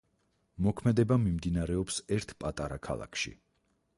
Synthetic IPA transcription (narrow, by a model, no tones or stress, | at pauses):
mɔkʰmɛd̪ɛbamimd̪inaɾɛɔpsɛɾt̪ʰpʼat̪ʼaɾakʰa̰lˠa̰kʰʃḭ